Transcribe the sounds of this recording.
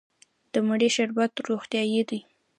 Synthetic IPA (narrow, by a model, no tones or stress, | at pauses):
d̪̥əmaɽeʃaɾbat̪ɾoxt̪jɑjed̪ij